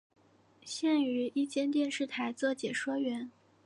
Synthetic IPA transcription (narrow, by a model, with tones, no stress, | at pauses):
ɕjɛ˥˩ny˧˥i˥˧t͡ɕjɛ˥˧nt̪jɛ˥˧nʂɻ̩˥˩t̪ʰa˧˥ɪt͡sɤ˥˩t͡ɕjɛ˨˩ʂwɔ˥ɥɛ˧˥n